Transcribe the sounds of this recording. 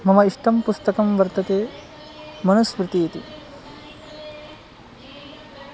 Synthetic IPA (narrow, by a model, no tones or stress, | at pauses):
mɐmɐiʂʈɐmpust̪ɐkɐmʋɐɾt̪ɐt̪eː | mɐnɐsʋɾɪt̪ijɐt̪i